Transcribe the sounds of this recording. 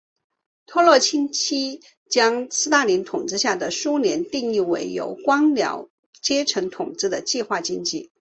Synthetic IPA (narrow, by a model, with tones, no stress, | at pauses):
t̪ʰwɔ˥lwɔ˥˩t͡ɕʰi˥nt͡ɕʰi˥ | t͡ɕjɑ˥ŋsɹ̩˥t̪a˥˩li˧˥nt̪ʰʊ˨˩ŋt͡sɹ̩˥˧ɕja˥˩d̪ə˩ʂu˥njɛ˧˥nt̪i˥˧ŋi˥˩we˧˥ɪjo̰˧˥ʊkwɑ˥ŋljɑ̰˧˥ʊ | t͡ɕjɛ˥ʈ͡ʂʰɤ˧˥ŋt̪ʰʊ˨˩ŋt͡sɹ̩˥˩d̪ə˨t͡ɕi˥˧xwa˥˩t͡ɕi˥ŋt͡ɕi˥˩